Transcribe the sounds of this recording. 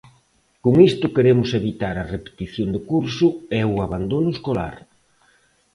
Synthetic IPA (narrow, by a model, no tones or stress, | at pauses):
koŋist̪ʊkeɾemʊseβit̪aɾɐrepe̥t̪iθjond̪ekuɾsʊɛʊaβand̪onʊeskola̰ɾ